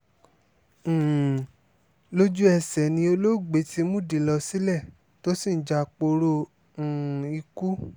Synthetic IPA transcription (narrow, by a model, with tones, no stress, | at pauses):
lo˦d͡ʒu˦ɛ˧sɛ˨nĩ˧o˧lo˦˨ɡ͡be˨˦ti˧˦mũ˦˨di˨lɔ˧si˦lɛ˦˨ | to˦si˦˨n̩˨˦d͡ʒa˧˨k͡po˧ɾõ˧˨ | i˧ku˦